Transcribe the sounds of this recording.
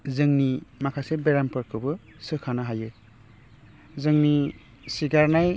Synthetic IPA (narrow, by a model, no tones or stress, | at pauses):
zɯŋnimakʰasebeɾampʰɯɾkʰɯbɯ | sɯkʰanaɦajɯ | zɯŋni | siɡaɾnaj